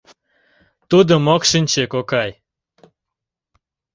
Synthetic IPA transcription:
t̪ud̪omokʃɨnʲt͡ɕekokɑj

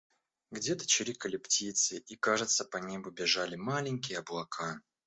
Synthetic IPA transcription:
ɡdʲe̞t̪ə̥t͡ɕɪɾʲikəlʲɪptʲit̪sɨʔikaʐɨt̪səpɐnʲe̞bʊbʲɪʐalʲɪmalʲɪnʲkʲɪjəɐblˠɐkʰa

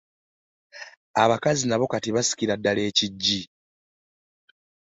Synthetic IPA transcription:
aβakazinaβo̞katiβasi̥ciɾadːale̞ːciɟːi

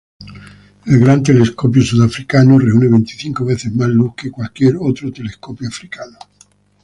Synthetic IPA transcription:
elɣɾant̪eleskop̬josuðafɾikanoreuneβent̪i̥θiŋkoβeθezmazluhkekwalkjeɾot̪ɾot̪eleskopjoafɾikano

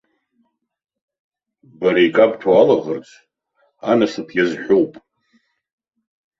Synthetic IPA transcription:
baɾajkʼabʼtʰaalaʁərt͡sʷʰʼ | anɨsɨpʰjazħʷᶣowpʼ

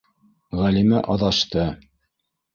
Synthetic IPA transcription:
ʁælimæʔɑðɑʃt̪ɤ

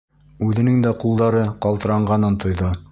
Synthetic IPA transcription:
ʉðɘ̆nɘŋd̪æqulˠd̪ɑɾɤqɑlˠt̪ɤ̆ɾɑɴɢɑnɤnt̪ʰŏjðo

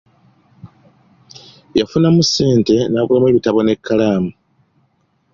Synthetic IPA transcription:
jafunamuse̞ːnte̞naːkulamweβitaβo̞ne̞kːalaːmu

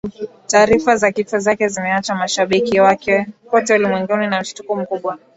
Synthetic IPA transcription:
taːɾifazakifɔzakɛzimɛat͡ʃamaʃaɓikiwakɛkɔtɛulimwɛŋɡuninam̩ʃi̥tukum̩kuɓwa

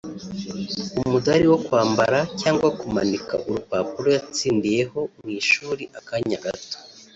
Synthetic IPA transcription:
umudaɾiwo̞kwaːmbaɾacaːŋɡwakumanika̰ʔuɾupaːpuɾojat͡siːndije̞ho̞mŋiʃuːɾiʔakaɲaɡato̥

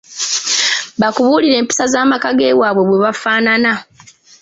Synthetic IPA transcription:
βakuβuːliɾe̞ːmpi̥sazaːmakaɡe̞ːwaːβwe̞βwe̞βafaːnana

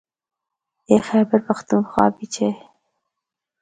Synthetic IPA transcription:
exɛbaɾpaxt̪unxwɑ̰ːbit͡ʃʰe

